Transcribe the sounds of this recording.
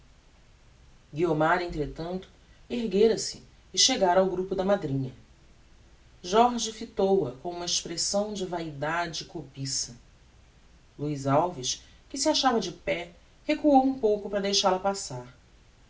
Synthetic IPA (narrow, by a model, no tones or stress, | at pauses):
ɡiomaɾẽnt̪ɾet̪ɐ̃nt̪ʊ̥ | eɦɡeɾɐsɪː | ʃeɡaɾawɡɾupʊd̪ɐmad̪ɾĩɲɐ | ʒɔɾʒɪfit̪owɐkõũmɐeʃpɾesɐ̃w̃d͡ʒɪvaid̪ad͡ʒɪːkopisɐ | luizawviʃ | kɪsɪaʃavɐd͡ʒɪpɛ | hekuowũpowkʊpɾɐd̪ejʃaɾlɐpasaɾ